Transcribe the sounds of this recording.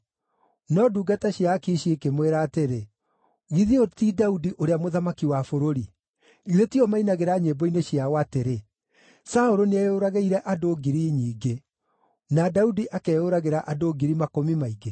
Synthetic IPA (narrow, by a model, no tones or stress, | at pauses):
nɔduːɡataɕiakiʃiekemweɾaːteɾe | ɣiðiotidaudiʔoɾeamoðamakiwafoɾoɾi | letiɔmainaɣeɾaɲebɔineɕiawateɾe | saoɾoneaoɾaɣeiɾɛʔadoːɡiɾiːɲiːɡe | nadaudiʔakɛoɾaɣeɾaʔadoːɡiɾimakomimaiɡe